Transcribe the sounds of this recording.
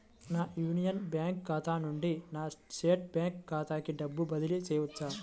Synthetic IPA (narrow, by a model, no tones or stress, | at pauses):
naːjuːnijɐnbjaːŋkːaːt̪ʰaːnuɳɖinaːsʈeːʈbjaːŋkːaːt̪ʰaːkiɖɐbːubɐd̪iliseːʋutːa